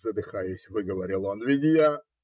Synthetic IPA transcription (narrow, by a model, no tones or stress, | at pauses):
zəd̪ɨxajɪsʲvɨɡəvɐɾʲilˠonvʲɪdʲɪja